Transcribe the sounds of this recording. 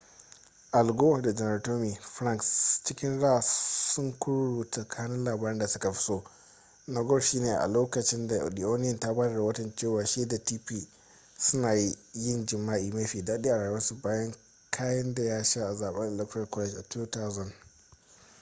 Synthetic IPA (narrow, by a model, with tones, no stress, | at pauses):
ʔa˨lɡoː˦˨da˨d͡ʒɛ˨nɐ˨rtoː˦mi˨ɸɾa˦ŋkst͡ʃɪ˦kʲɪ˦nɽaː˦˨sʊ˦ŋkʷʊ˦ɽuː˨tɐ˨kʰaː˦nɪ˦nlaː˨baː˦ɾɪ˦nda˨sʊ˦ka˨ɸɪ̥˦soː˦ | nɐ˨ɡɔ˦rʃiː˦neː˨ʔa̰˨loː˦kɐ˨t͡ʃɪ˦nda˨di˨ʔoː˦nɪ˦jɐ˨nta˦baː˦da˨da˨wɐ˦tɐ˨nt͡ʃeː˦˨waː˨ʃiː˦da˨tiː˦piː˦ | sʊ˦naː˨ji˦jɪ˦nd͡ʒɪ˨mːaː˦ʔiː˨meː˦ɸiː˨daː˦ɗiː˦ʔa˨ɽaː˨jwɐ˦su˨baː˦jɐ˦ŋ | kʰaː˦jɐ˦nda˨jaː˦ʃa˦ʔa˨zaː˨ɓɐ˦ŋʔɛ˨lɛ˦k̚tɔ˨kɛ˦t͡ʃʔa˨tuː˦ta˦wzɔ˨n